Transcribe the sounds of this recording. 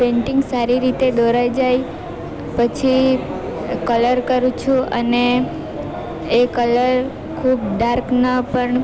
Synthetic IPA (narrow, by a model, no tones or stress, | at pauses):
pẽɳʈiŋɡsaɾiɾit̪ed̪oɾajd͡ʒaj | pət͡ʃʰi | kələɾkəɾũt͡ʃʰũʔə̰ne | kələɾ | kʰubɖaɾknəpəɳ